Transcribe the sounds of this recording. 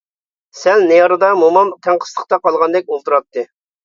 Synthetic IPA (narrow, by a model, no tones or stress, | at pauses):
sɛlnejɑɾɨd̪ɑmomɑmt̪ʰæŋqʰə̥slˠə̥χt̪ɑqɑlˠʁɑnd̪ɛk̚ʲolˠt̪uɾɑt̪ːɨ